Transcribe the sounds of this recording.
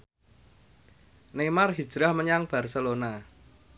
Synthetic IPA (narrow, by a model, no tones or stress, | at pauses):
nemarɦid̥ʒ̥ɾahməɲaŋb̥a̤rsəlona